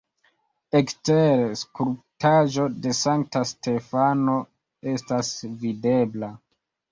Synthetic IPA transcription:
eksteɾskuɾptaʒo̞de̞saŋk̚taste̞fano̞ | e̞stasvide̞bla

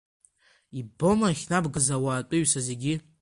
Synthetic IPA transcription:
ibo̞maχʲnabɡɨzawaːtʼʊɥsaze̞ɡʲi

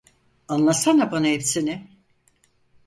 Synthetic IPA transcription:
anlˠasanabanaɦepsinɪ

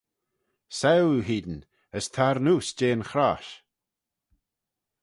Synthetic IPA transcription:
sɛwɦiːd̪ən̩ | əst̪ʰaɾnuːsd͡ʒeːnxɾaʃ

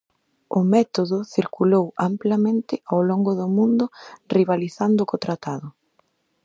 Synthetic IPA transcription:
ʊmɛt̪oðʊθiɾkulowamplamẽnt̪ɪawloŋɡʊðʊmũnd̪ʊriβaliθand̪ʊkot̪ɾat̪aðʊ

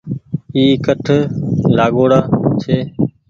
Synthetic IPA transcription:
iːkəʈʰlaːɠoːɽaːt͡ʃʰeː

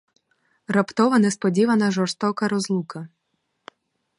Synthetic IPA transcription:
rɐpt̪ɔʋɐnɛspɔdʲiʋɐnɐʒɔrst̪ɔkɐɾɔzlˠukɐ

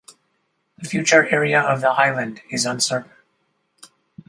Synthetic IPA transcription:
ðɨfjʉt͡ʃə˞ʔɛɹiɨʌvðəaɪlˠɨ̃ndɪzə̃nsɜ˞ʔn̩

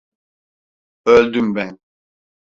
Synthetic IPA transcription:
ølʲd̪ymbɛn

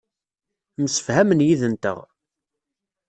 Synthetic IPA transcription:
məsə̥fhæmənjiðənt̪ə̰ʁ

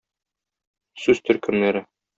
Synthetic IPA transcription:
sʉz̥t̪ʰɵ̆ɾkɵ̆mnæɾɘ

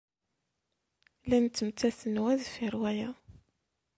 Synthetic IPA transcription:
lænt͡s̪ːəmt͡s̪ːæsənwæðfiɾˤwæjæ

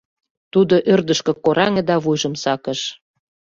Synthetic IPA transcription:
t̪ud̪oʔørd̪əʃkɤ̆koɾʔɑŋĕd̪ɑβujʒə̆msɑkə̆ʃ

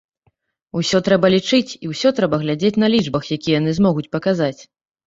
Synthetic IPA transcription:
usʲɔt̪ɾɛbɐlʲit͡ʂɨt͡sʲiwsʲɔt̪ɾɛbɐɣlʲad͡zʲet͡sʲn̪ɐlʲiʐbɐxjakʲijɛjanɨzmɔɣut͡sʲpɐkazat͡sʲ

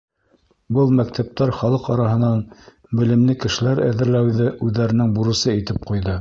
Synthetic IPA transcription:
bɤlˠmæk̚t̪ʰæp̚t̪æɾχɑlˠɤqɑɾɑɦɤ̆nɑn | bɘ̆lɘ̆mlɘkɘ̆ʃɘ̆læɾæ̰ðɘ̆ɾlæwðɘʔʉðːæɾɘ̆nɘŋbuɾɤ̆sɤit̪ɘp̚qujðɤ

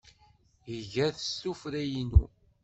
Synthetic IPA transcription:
jəʝæθəstufɾæjinṵ

